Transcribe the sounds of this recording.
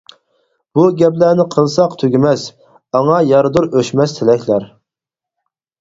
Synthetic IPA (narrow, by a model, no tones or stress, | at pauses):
b̥uɡʲɛplæːnɪqʰəlˠsɑqt̪ʰøɡʲimɛs | ɑŋɑjɑɾd̪uɾøʃmɛst̪ʰɪlɛkʲlæɾ